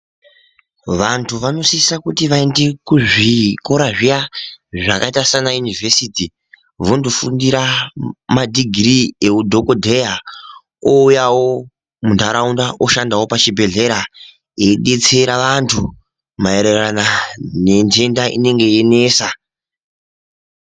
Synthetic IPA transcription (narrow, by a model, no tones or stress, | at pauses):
ʋantʰuʋano̞sisakutiʋaende̞kuʐiko̞ɾaʐijaʐakaitasanajunivʱe̞siti | vondofundiɾamadiɡʱirieudʱo̞kodʱe̞ja | oujawo̞ | mundaɾaundaʔoʃandawo̞pat͡ʃibʱe̞ɮe̞ɾa | eɗe̞t͡se̞ɾaʋantʰu | maeɾeranane̞nd͡ʒe̞ndaʔḭne̞ŋɡe̞jene̞ːsa